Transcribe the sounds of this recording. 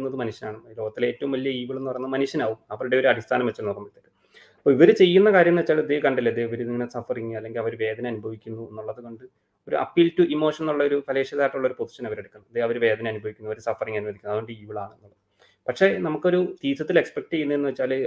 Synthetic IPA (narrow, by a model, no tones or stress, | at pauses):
nːɐðɨmɐnuɕjɐnaːɳuoːlo̞ːɡɐt̪ːileːtːɐʋumʋɐlijɐiːʋiɭenːupɐrɐnːmɐnuɕjɐnaːʋumɐʋɐɭuɽe̞o̞ɾuɐd̪ist̪ʰaːnɐmʋet͡ɕːɐnokːɐmːbɐt̪ːekːɨ̥ | ɐpːoːiʋɐɾut͡ɕe̞jːunːɐkaːɾjɐmnːɨʋet͡ɕːaːld̪ekɐɳɖilːɐd̪eːiʋɐɾuniŋːɐnesɐfɐriŋɐlːe̞ŋɡilɐʋɐɾuʋe̞ːd̪ɐneɐnubʱɐʋikʲːunːue̞nːuɭːɐðɨkɐɳɖɨ | oɾṵʔɐ̰pːiːltuʔimo̞ːʂɐnːuɭːɐo̞ɾupɐle̞ːʂjɐðaːjʈːuɭːɐo̞ɾupoði̥ɕɐnɐʋɐɾeɽukʲːunːuɐd̪eɐʋɐɾuʋe̞ːd̪ɐneɐnubʱɐʋikʲːunːuɐɾsɐfɐriŋːɐnmɐd̪ikʲːnːɐðuɣoɳɖɨiːʋiɭaːɳunːuɭːɐ | pɐʈʂe̞ːnɐmukːɨo̞ɾut̪iːsɐt̪ːilekspek̚ʈːt͡ɕejːunːue̞nːɨʋet͡ɕːaːl